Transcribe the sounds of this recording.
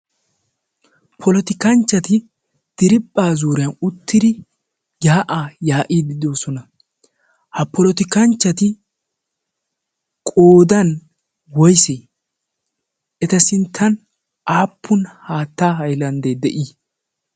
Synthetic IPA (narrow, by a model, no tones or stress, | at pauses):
pʰɔlɔt̪ɪkɐnt͡ʃːɐt̪ɪ | d̪̥ɪɾɪpʼːaːzuːɾɪjɐnʊt̪ʰːɪd̪ɪ | jaːʔaːjaːʔiːd̪ɪd̪o̞ːsɔnɐ | hɐpɔlɔt̪ɪkɐnt͡ʃːɐt̪ɪ | kʼoːd̪ɐn | wɔjseː | ɛt̪ɐsɪnt̪ʰːɐn | ʔaːpːʊnhaːt̪ːaːhɐjlɐnd̪ɛd̪ɛʔiː